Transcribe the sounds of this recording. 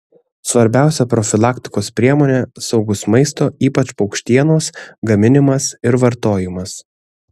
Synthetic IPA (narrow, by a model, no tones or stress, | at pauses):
sʋɐɾʲbʲæˑʊsʲɛpɾɔfʲɪlˠɑːkʲt̪ʲɪ̥koːspʲɾʲiɛmoːnʲɛsɒʊɡʊsmɐɪst̪oːiːpɐt͡ʃpɒʊkʃʲt̪ʲiɛnoːsɡɐmʲɪnʲɪmɐsɪɾʋɐɾt̪oːjɪmɐs